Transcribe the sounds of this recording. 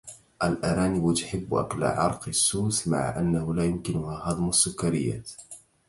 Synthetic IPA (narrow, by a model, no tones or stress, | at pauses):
ʔalʔaɾaːnɪbʊt̪ʊħɪbːʔa̰kla̰ʕɑɾˤqɨsːuːsma̰ʕa̰ʔanːahʊlaːjʊmkɪnʊhaːhɑðˤmasːʊkːaɾɪ̰jːa̰ː